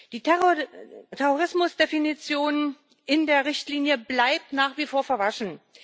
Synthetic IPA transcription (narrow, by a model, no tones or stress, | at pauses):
d̥iː | tʰɛʁoʁɪsmʊsd̥efinit͡sjoːn | ʔɪndeːɐʁɪçtliːnjəblaɪp̚tnaːχv̥iːfoːɐfɛɐvaʃn̩